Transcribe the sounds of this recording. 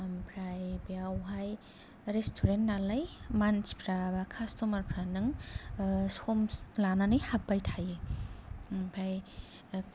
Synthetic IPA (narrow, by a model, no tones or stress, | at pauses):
ampʰɾajbiawɦaj | ɾestʰuɾentnalajmanspʰɾabakʰastomaɾpʰɾanɯŋ | somlananɯjhap̚ːajtʰaje | pʰaj